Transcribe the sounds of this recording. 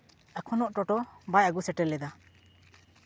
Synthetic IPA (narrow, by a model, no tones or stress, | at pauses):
akʰɔnɔʔʈɔʈɔbajaɡusɛʈɛlːɛd̪a